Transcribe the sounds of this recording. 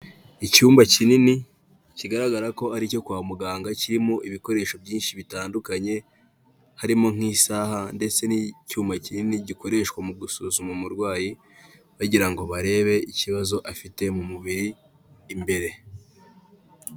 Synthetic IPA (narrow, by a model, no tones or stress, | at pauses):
icuːmbacinini | ciɡaɾaɡaɾako̞aɾico̞kwaːmuɡaːŋɡaciɾimo̞ʔiβiko̞ɾe̞ːʃo̞bjiːnʃiβitaːndukaɲe̞ | haɾimo̞ŋ̥iːsaːhande̞t͡se̞nicuːmbacininiɟiko̞ɾe̞ʃkwamuɡusuzumumuɾɡwaːji | βaɟiɾaŋɡo̞βaɾe̞ːβe̞iciβazo̞ʔafite̞mumuβiɾiː | mbe̞ɾe̞